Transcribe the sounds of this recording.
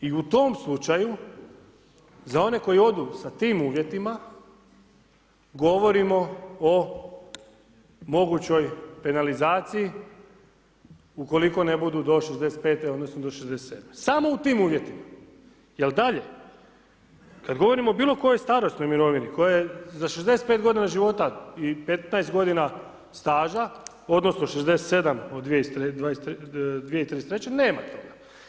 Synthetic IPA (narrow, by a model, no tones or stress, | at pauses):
iut̪o̞mslˠut͡ʃaju | zao̞ne̞ko̞jio̞d̪usat̪iːmuːʋje̞t̪ima | ɡo̞ʋo̞ɾimo̞o | mo̞ɡut͡ɕo̞jpe̞nalizaːt̪siji | uko̞liko̞ne̞bud̪ud̪o̞ʃezd̪e̞set̪pe̞ːt̪eod̪nosnod̪o̞ʃezd̪eset̪ed̪mesamo̞ut̪iːmuːʋje̞t̪ima | jeld̪aʎe̞ | kad̪ɡo̞ʋo̞ɾimoːbiːlˠo̞ko̞jojst̪aːɾo̞sno̞jmiɾo̞ʋiniko̞jajezaʃezd̪e̞set̪̚pet̪ɡo̞d̪inaʒiʋo̞t̪aipe̞t̪najest̪ɡo̞d̪ina | st̪aːʒa | o̞d̪nosnoʃezd̪e̞set̪se̞d̪amod̪d̪ʋiesɾed̪ʋajest̪d̪ʋijeit̪ɾiset̪ɾet͡ɕeneːmat̪ʰo̞ɡa